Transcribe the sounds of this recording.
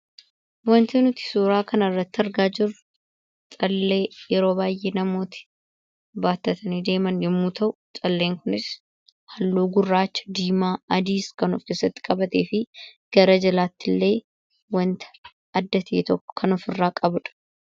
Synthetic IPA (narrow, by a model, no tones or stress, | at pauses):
wɔnt̪ɛnʊt̪ɪ̥suːɾaːkɐnɐrːɐt̪ːɐɾɡaːd͡ʒɪrʊ | t̪ʼɐlːe̞ːjɛɾo̞ːbaːjʔeːnɐmo̞ːt̪ɪ̥ | baːt̪ːɐt̪ʰɐniːd̪e̞ːmɐnjɛmːuːt̪ʰɐʔʊt͡ʃʼɐlːe̞ːŋkʊnɪs | hɐlːoːɡʊrːaːt͡ʃːɐ̥d̪iːmaːɐd̪iːskɐnɔfkeːsɐt̪ːɪ̥kʼɐbɐt̪e̞̰ːfɪɡ̥ɐɾɐd͡ʒɐlaːt̪ːɪlːe̞ː | wɐnt̪ɐ̥ | ɐd̪ːɐt̪ʰḛːt̪ɔ̥kʰɐnɔfɪrːaːkʼɐbʊᶑɐ̥